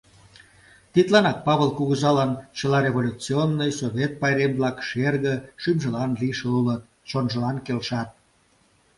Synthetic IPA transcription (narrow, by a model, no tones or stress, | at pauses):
t̪it̪lɑnɑk̚pɑβəlkuɣəzɑlɑnt͡ɕə̆lɑɾʲeβolʲut͡sionːijsoβʲet̪̚pɑjɾemblɑkʃerɣə̆ʃymʒə̆lɑnliʃeulət̪̚ | t͡ɕonʒə̆lɑnkelʃɑt̪̚